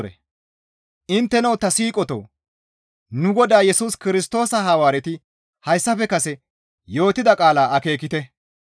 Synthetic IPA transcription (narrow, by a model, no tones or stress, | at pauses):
ɾɛ̰ | ʔɪnt̪ːɛnɐwt̪ːɐsiːkʼɔt̪o̰ː | nʊɡɔd̪aːjɛsuːskɪɾɪst̪o̞ːsɐɦɐwaːɾɛt̪ɪ | hɐjsːɐfɛkɐsɛ | jo̞ːt̪ːɪd̪ɐkʼaːlaːʔɐke̞ːkːɪt̪ɛ